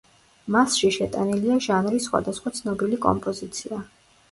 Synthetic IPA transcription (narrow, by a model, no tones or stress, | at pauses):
masʃiʃɛt̪ʼaniliaʒanɾisːχwa̰d̪asχwat̪sʰnɔbilikʼɔ̰mpʼɔzit̪sʰia